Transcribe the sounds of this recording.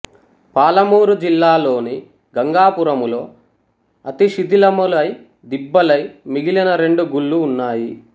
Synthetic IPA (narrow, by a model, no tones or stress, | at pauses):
paːlɐmuːɾud͡ʒilːaːlo̞ːni | ɡɐŋɡaːpuɾɐmulo̞ː | ɐt̪iʂid̪ʱilɐmulɐj | d̪ibːɐlɐjmiɡilɐnɐɾe̞ɳɖuɡuɭːuːnːaːji